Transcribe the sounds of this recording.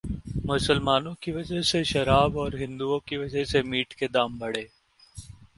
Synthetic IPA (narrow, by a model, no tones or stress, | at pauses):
mʊsəlmaːnõkiʋɐd͡ʒəɦseʃɐɾaːbɔːɾɦɪ̃nd̪uõkiʋɐd͡ʒəɦsemiːʈʰked̪aːmbɐɽ̤eː